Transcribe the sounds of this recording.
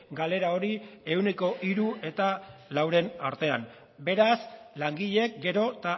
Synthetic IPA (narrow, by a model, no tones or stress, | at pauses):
ɡale̞ɾao̞ɾie̞wne̞ko̞ʔiɾue̞t̪alawɾe̞naɾt̪e̞a̰m | be̞ɾaslaŋɡiʎe̞k̚ɡe̞ɾo̞t̪a